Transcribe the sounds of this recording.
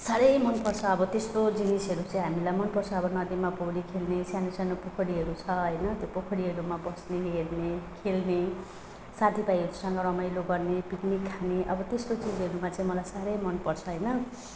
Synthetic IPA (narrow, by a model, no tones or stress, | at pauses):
saɾʌjmʌnpʌrt͡sʰʌːbʌt̪est̪od͡zinisɦʌɾut͡saĩɦamilajmʌnpʌrt͡sʰʌːbʌnʌd̪imapoɽikʰelnesjanosjanopokʰʌɽiɦʌɾut͡sʰʌɦʌjnʌt̪jopokʰʌɽiɦʌɾumabʌsneɦernekʰelne | sat̪ʰipajɦʌɾusʌŋɡʌɾʌmajloɡʌrnepiʈnekʰaneʔʌbʌt̪est̪ot͡sid͡zɦʌɾumat͡sãĩmʌlajsaɾʌjmʌnpʌrt͡sʰʌɦʌjnʌ